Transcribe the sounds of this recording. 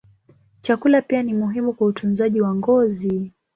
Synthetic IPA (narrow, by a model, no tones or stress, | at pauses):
t͡ʃakulapianimuɦimukwautʰunzaʄiwaŋɡɔzi